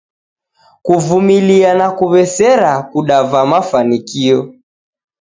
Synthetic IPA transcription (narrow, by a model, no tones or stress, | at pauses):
kuvumilianakuβɛsɛɾakuɗavamafanikiɔ